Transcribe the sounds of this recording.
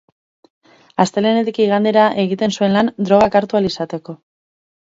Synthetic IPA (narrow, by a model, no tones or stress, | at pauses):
ast̪elenet̪ikiiɣ̞and̪e̞ɾaʔe̞ɣit̪e̞nsue̞nland̪ɾo̞ɣ̞akaɾt̪ualisat̪e̞ko̞